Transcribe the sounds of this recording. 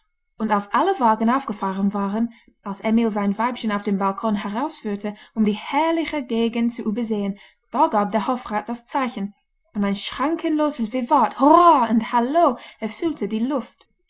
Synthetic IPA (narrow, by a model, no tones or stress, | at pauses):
ʔʊntalsʔaləvaːɡən̩aʊfɡ̥əfaːʁənvaːʁən | ʔalsʔɛmilzaɪnvaɪpçənaʊfd̥eːmbalkʰɔnɦɛʁaʊsfyːɐtʰəʊmdiːhɛɐlɪçəɡeːɡəntt͡suʔyːbɐzeːən | d̥aːɡaːp̚d̥ɛːɐhɔfʁaːt̚d̥ast͡saɪçən | ʊ̃ntaɪnʃʁ̥aŋkʰənloːzəsv̥evathɔʁaʊnthaloːɛɐfʏltʰədiːlʊft